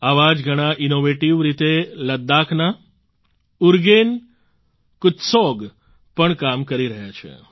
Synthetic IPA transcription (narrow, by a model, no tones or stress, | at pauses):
aʋad͡ʒɡʱəɽ̃aʔinoʋeʈiʋɾit̪eləd̪ːakʰna | ʊɾɡen | kʊt̪sɔɡ | pəɳkamkəɾiɾəɦjat͡ʃʰḛ